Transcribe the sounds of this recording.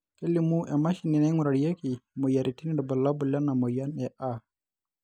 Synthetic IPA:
kɛlimuʔɛmaʃininaŋuɾaɽijɛkimɔjaɾitinidɔbɔlabulanamɔjanɛʔa

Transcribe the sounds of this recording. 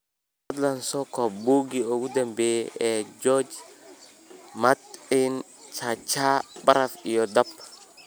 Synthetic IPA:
ɔt̪lansɔkɔbuɡiɔwudambɛɛd͡ʒɔd͡ʒ | mat̪in | t͡ʃat͡ʃabaɾafijɔdap̚

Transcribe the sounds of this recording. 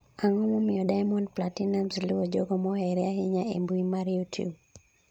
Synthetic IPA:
aŋɔmɔmɪjɔdajmɔndplatinamslʊwɔd͡ʒoɡɔmɔhɛɾɛaɦɪɲaḛmbuimaɾjutʰjṵb

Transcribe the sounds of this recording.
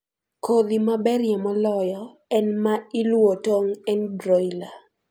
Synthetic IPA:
kod̪imabɛɾjɛmɔlɔjɔ | ɛnmailwotoŋɛndɾɔila

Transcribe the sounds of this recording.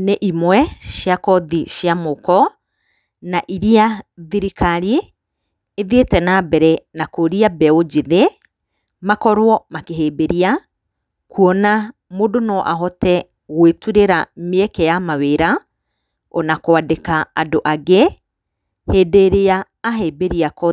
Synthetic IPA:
neʔimwɛʃjakɔðiʃiamokɔ | naʔiɾiaðiɾikaɾiː | ðietɛnabɛɾɛnakoɾiabɛod͡ʑiðe | makɔɾwɔmakeɦeːbeɾia | kʰuɔna | moːdonɔʔaɦɔtɛ | ɣwetuɾeɾameɛkɛjamaweɾa | ɔ̰nakoadekaadoʔaɣe | heːdeɾeaː | ɦeːbeɾiakɔ

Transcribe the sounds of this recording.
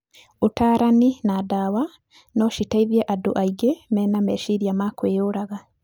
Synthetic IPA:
utaːɾaninadawa | noʃitaiðjeʔaduʔaiɡemɛːnameʃiɾiamakweːoɾaɣa

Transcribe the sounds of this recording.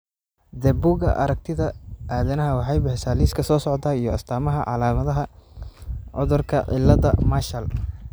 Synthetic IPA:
d̪ɛbuɡɐ̰ʔɐ̰ɾɐk̚t̪ʰɪðɐʔaːðɐnɐɦɐwɑħɑjbɪħɪsaːliːskʰɐsɔːsɔʕt̪ʰaːijɞɐ̰st̪ʰaːmɐɦɐʕɑ̰laːmɐðɐɦɐ | ʕʊ̰ðʊrkʰɐʕɪ̰lːɐðɐ̰maːʃɐl

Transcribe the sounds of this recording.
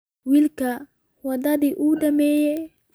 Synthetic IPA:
wilkɐ | wɐd̪ɐd̪ɪʔuːɖɐmɛːjɛ

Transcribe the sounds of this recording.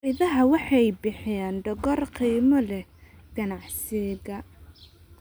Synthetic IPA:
ɪðɐɦɐwɑħɑjbɪħɪjaːnɖɐɣɔrqiːmɔlɛ | ɡ̥ɐnɑʕsɪɣɐ

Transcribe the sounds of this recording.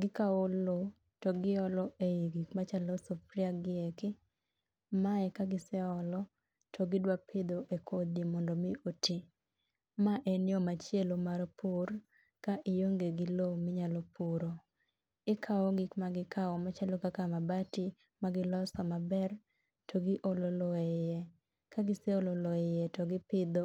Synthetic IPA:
ɡɪkawolo | tɔɡɪɔlɔʔeiɡikmat͡ʃalɔsopɾɪaɡɪɛkɪ | maɛkaɡɪsɛɔlɔ | tʰɔɡɪdwapʰɪd̪oʔekʰod̪emɔndɔmɪʔoti | maʔɛnjɔmat͡ʃjelomaɾpur | kaʔɪjoŋɡeɡɪlomɪɲalɔpuɾo | ɪkʰaɔɡɪkmaɡɪkʰaɔmat͡ʃalokakamabati | maɡɪlɔsɔmabɛr | tʰɔɡɪʔolɔlɔejɛ | kaɡɪsɛɔlɔlɔejɛtɔɡɪpɪd̪o

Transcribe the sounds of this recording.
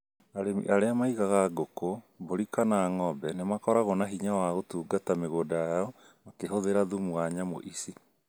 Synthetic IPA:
aɾem̰aɾeamaiɣaɣaɡoko | boɾikanaːŋɔbɛnemakɔɾaɣɔnaɦiɲawaɣotuːɡatameɣoːdajajɔ | makeɦoðeɾaðumuaɲamo̰ʔisi

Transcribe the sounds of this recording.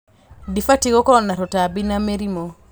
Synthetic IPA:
difatikɔkɔɔnaɾɔtabinameɾimo

